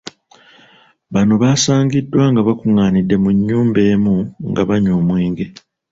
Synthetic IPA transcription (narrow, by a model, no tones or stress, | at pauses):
βano̞βaːsaːŋɡidːwaːŋɡaβakuŋaːnidːe̞muɲːuːmbe̞ːmuŋɡaβaɲoːmweːŋɡe̞